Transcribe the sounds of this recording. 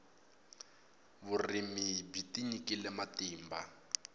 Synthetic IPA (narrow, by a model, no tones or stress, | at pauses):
bʊrimibitiɲikilɛmatiːmba